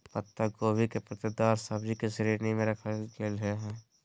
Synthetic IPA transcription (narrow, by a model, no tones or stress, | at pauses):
pət̪ːəɡoːbʱikepɾɐt̪ɪd̪aːɾsɐbd͡ʒikesəɾiːɾnimẽɾɐkʰəkelɦɛː